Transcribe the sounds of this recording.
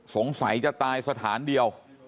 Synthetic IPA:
so˩˦ŋsa˩˦jt͡ɕa˨˩t̪aː˧jsa˧t̪ʰaː˩˦ndi˧əw

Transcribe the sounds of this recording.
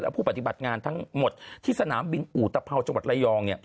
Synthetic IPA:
lɛ˦˥pʰuː˥˩pa˧˩t̪i˨˩ba˨˩t̪̚ŋaː˧nt̪ʰa˦˥ŋmo˨˩t̪̚t̪ʰːiː˥˩sa˧naː˩˦mbi˧nʔuː˨˩t̪a˧pʰa˧wt͡ɕa˧ŋwa˨˩t̪̚la˧jɔː˧ŋni˥˩ɐ

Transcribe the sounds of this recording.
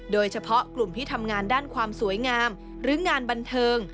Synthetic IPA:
doː˧jt͡ɕʰa˧pʰɔ˦˥klu˨˩mt̪ʰiː˥˩t̪ʰa˧mŋaː˧ndaː˥˩nkʰwaː˧msu˨˩˦əjŋaː˧m | ɾɯː˩˦ŋaː˧nba˧nt̪ʰɤː˧ŋ

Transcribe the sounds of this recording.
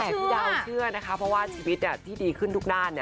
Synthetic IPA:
ɛː˨˩˥jaː˧˥˩t͡ɕʰɯ˥˩ɐna˦˥kʰa˧˦˥pʰɾɔ˦˥waː˥˩t͡ɕʰiː˧wi˦˥t̪̚ni˥˩t̪ʰiː˥˩diː˧kʰɯ˥˩nt̪u˦˥k̚daː˥˩nːi˥˩

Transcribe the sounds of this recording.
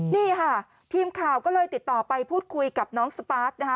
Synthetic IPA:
niː˥˩kʰa˥˩ | t̪ʰiː˧mkʰaː˨˩wkɔː˥˩lɤː˧jt̪i˨˩t̪ːɔː˨˩pa˧jpʰuː˥˩t̪̚kʰu˧jka˨˩p̚nɔː˦˥ŋsa˧paː˦˥t̪̚na˦kʰ

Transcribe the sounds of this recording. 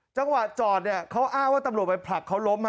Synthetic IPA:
t͡ɕa˧ŋwa˨˩t̪̚t͡ɕɔː˨˩t̪̚ni˦˥˩ɐkʰa˦˥wʔaː˥˩ŋwaː˥˩t̪a˧mɾu˨˩ət̪̚pa˧jpʰla˨˩kʰːa˦˥wlo˦˥mma˥˩

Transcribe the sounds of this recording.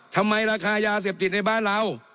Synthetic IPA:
t̪ʰa˧mːa˧jɾaː˧kʰaː˧jaː˧s̬eː˨˩p̚t̪i˨˩t̪̚na˧jbaː˥˩nɾa˧˥˨w

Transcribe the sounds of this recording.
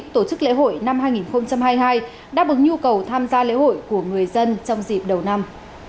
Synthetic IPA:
t̪o˧˩t͡ɕɨ˦˥k̚lḛ˧˥ɦo̰˧˨jna˧mhɦaː˧jŋi˨˩nxə˧wŋ͡mt͡ɕa˧mɦaː˧jɦaː˧j | ɗa̰ː˧˥ɓɨ˨˩ŋ̚ɲu˧kə˨˩wt̪ʰaː˧mzaː˧lḛ˧˥ho̰˧˨jku˧˩əŋɨ˨˩əjzə˧nt͡ɕɔ˧wŋ͡mzḭ˨˩p̚ɗə˨˩wna˧m

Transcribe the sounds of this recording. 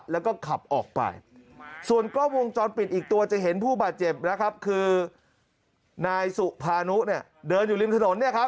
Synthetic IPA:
lɛː˦˥wkɔː˥˩kʰa˨˩p̚ʔɔː˨˩k̚pa̰˧jsu˨˩ənkɔː˥˩wo˧ŋt͡ɕɔː˧npi˨t̪̚ʔiː˨˩k̚t̪u˧ɐt͡ɕa˨˩ɦe˩˦npʰuː˥˩baː˨˩t̪̚t͡ɕe˨˩p̚na˦˥kʰa˦˥p̚kʰɯː˧ | naː˧jsu˨˩ʔpʰaː˧nu˦˥ʔni˥˩ɐdɤː˧njuː˨˩li˧mt̪ʰa˧no˩˦nːi˥˩ɐkʰa˦˥p̚

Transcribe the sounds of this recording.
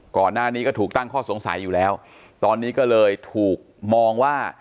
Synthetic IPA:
kɔː˨˩nːaː˥˩niː˦˥kɔː˥˩t̪ʰuː˨˩k̚t̪a˥˩ŋkʰɔː˥˩so˩˦ŋsa̰˩˦jːuː˨˩lɛː˦˥w | t̪ɔː˧nːiː˦˥kɔː˥˩lɤː˧jt̪ʰuː˨˩k̚mɔː˧ŋwaː˥˩

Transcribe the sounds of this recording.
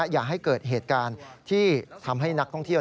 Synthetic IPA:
jaː˨˩k̚ɦa˥˩jkɤː˨˩t̪̚ɦeː˨˩t̪̚kaː˧nt̪ʰiː˥˩t̪ʰa˧mɦa˥˩jna˦˥t̪ʰɔ˥˩ŋt̪ʰi˥˩

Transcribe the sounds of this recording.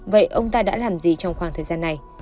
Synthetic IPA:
və̰˧˨jʔə˧wŋ͡mt̪aː˧ɗa̰ː˧˥laː˨˩mzi˨˩t͡ɕɔ˧wŋ͡mxwaː˧˩ŋt̪ʰəː˨˩jzaː˧nːa˨˩j

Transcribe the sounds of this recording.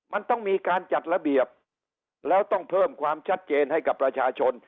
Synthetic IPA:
ma˧nt̪ɔ˥˩ŋmiː˧kaː˧nt͡ɕa˨˩t̪̚ɾa˧bi˨˩əp̚ | lɛː˦˥wt̪ɔ˥˩ŋpʰɤː˥˩mkʰwaː˧mt͡ɕʰa˦˥t̪̚t͡ɕeː˧nɦa˥˩jka˨˩pːɾa˧t͡ɕʰaː˧t͡ɕʰo˧n

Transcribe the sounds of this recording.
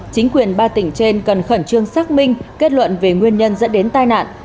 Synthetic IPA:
t͡ɕï˨˦ŋ̟kwi˨˩ənɓaː˧t̪ï˧˩ŋ̟t͡ɕe˧nkə˨˩nxə˧˩nt͡ɕɨ˧əŋsaː˦˥k̚mï˧ŋ̟ke˦˥t̚lwə̰˧˨nve˨˩ŋwi˧ənɲə˧nzə̰˧˥nɗe˨˦nt̪aː˧jna̰ː˧˨nʔ

